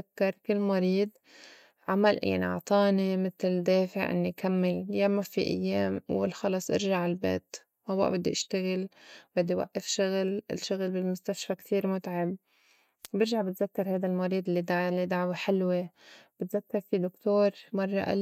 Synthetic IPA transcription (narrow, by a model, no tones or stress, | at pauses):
akːɑɾˤkɪlːmɑɾˤiːd̪ | ʕamalja̰ʕnḭʔɑ̰ʕt̪ˤɑːnimɪt̪ld̪eːfɪʕʔɪ̰nːiʔkʰamːɪljaːmafiʔa̰jːeːmwɪ̰lxɑlɑsˤʔɪ̰ɾʒaʕɪlbḛːt̪ | wʔawːa̰ʔbɪd̪ːiʔaʃt̪aɣɪlbɪd̪ːiwa̰ʔːafʃʊɣlɪ̰lʃʊɣlbɪlmʊst̪aʃfakt̪ʰiːɾmʊt̪ʕab | bɪɾʒaʕbɪt̪zakːɑɾˤhajd̪almɑɾˤiːd̪ˤɪlːid̪alːid̪aʕweħɪlweb̥ɪt̪zakːɑɾˤfid̪ʊkt̪oːɾˤmɑrˤːɑ̰ʔa̰l